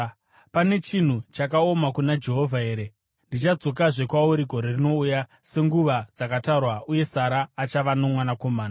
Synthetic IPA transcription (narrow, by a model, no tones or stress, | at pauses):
pane̞t͡ʃin̤ut͡ʃakao̞makunad͡ʒe̞ɦo̞vʱaeɾe | ndit͡ʃad͡zo̞kaʐe̞kwauɾiɡʱoɾe̞rino̞ujase̞ŋɡuʋad͡zakataurwaʔuje̞saɾaːt͡ʃaʋano̞mwanako̞maːna